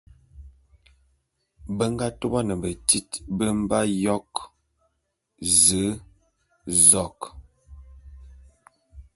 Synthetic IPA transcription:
bə˦ŋɡa˦to˦ba˦nə˨bə˨ti˦tbə˦m˦ba˦jɔ˦k | zə˨˦ | zɔ˦˨k

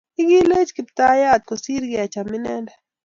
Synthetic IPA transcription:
ɪ˦ɡi˦le˦t͡ʃkɪ˨pt̪a˦ja˦˨t̪̚ko˨si˦ɾɡɪ˦a˨t͡ʃa˨mɪ˦nɛ˦ndɛ

